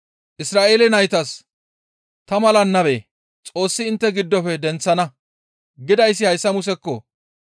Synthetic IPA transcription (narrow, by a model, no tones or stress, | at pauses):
ʔɪsɾaːʔe̞ːlɛnɐjt̪ɐs | t̪ɐmɐlɐnːɐbḛː | t͡sʼo̞ːsːɪɪnt̪ːɛɡɪd̪ːɔpɛd̪ɛnt͡sːɐnɐ | ɡɪd̪ɐjsːɪhɐjsːɐmʊsɛkːɔ